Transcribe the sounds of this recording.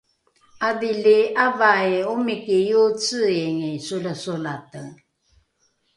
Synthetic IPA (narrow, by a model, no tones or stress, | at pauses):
aðiliavaeumikijut͡səeŋisuləsulatəŋ